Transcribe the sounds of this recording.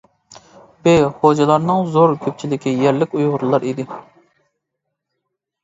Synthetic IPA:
beχod͡ʒɛlˠɑɾnɨŋzoɾkʲʰøp̚t͡ʃʰilɪkʲijɛɾlɪkʲujʁʊɾulˠɑɾid̪ɪ

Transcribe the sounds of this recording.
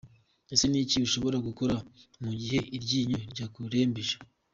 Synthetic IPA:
eseniːciβiʃo̞βo̞ɾaɡuko̞ɾamuɟiɦe̞ʔiɾɟiːɲoɾɟakuɾe̞ːmbiʃḁ

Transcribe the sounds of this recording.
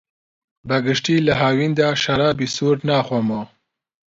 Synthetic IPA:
baɡəʃʈilaɦaːwind̪aʃaɾaːbisuːɾnɑːxomo

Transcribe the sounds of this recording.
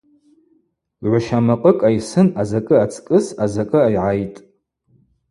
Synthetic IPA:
ʕʷaʃamaqʼəkʼajsɨnazakʼɨat͡sʰʼkʼɨsazakʼɨajʕajtʼ

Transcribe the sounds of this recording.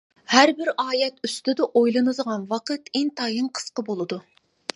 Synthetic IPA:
hæɾbɪɾɑːjɛt̪yst̪ɪd̪ɨʔojlˠɨnɨzʁɑnwɑqʰət̪ɪnt̪ɑːjɨŋqʰə̥sqəbolˠɨd̪u

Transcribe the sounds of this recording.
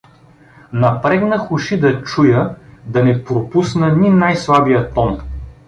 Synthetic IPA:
nɐpɾɛɡnəxʊʃid̪ɐt͡ʃujəd̪ɐnɛpɾopusnənʲinajslˠabijət̪ɔn

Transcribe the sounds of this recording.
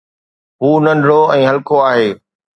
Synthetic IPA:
ɦuːnɐ̃nɖʱɽoɛ̃ːɦɐlkoaːɦeː

